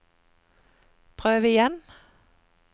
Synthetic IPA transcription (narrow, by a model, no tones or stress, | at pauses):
pʰʁøːʋəɪjɛn